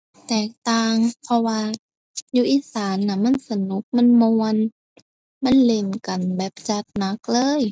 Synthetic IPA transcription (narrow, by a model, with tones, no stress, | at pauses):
t̪ɛː˨˩k̚t̪aː˧ŋpʰɔ˧waː˧ | juː˧ʔiː˧˩saː˨˦nːa˧˩ma˧˥˨nsa˧nu˨˦k̚ma˧˥˨nmu˧ən | ma˧˥˨nle˧˩nka˨˩nbɛː˨˩p̚t͡ɕa˧˦t̪̚na˧˦˥k̚lɤː˧˥˨j